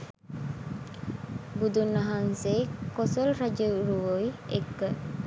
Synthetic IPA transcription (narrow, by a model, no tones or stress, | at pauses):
bud̪unːɐɦansekosolɾɐd͡ʒəɾuʋoiekːə